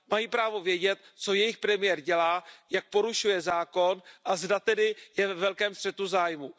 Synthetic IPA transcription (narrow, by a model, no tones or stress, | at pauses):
majipɾaːvo̞vjɛɟɛt̪t͡so̞jɛjɪxpɾɛmɪjɛɾɟɛlaːjak̚po̞ɾuʃujɛzaːko̞nʔazdat̪ɛdɪjɛvɛvɛlkɛːmst̪r̥ɛt̪uzaːjmu